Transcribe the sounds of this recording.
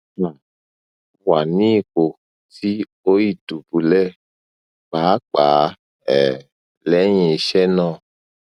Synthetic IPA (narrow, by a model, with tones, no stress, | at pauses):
na˨ | wa˨nĩ˦˨ko˨ | ti˦ | o˦ji˦˨du˨bu˨lɛ˦ | k͡paː˨˦k͡pa˨˦ | ɛ˨ | lɛ˨˦ɲ̃e˨ʃɛ˦nɔ̃˦˨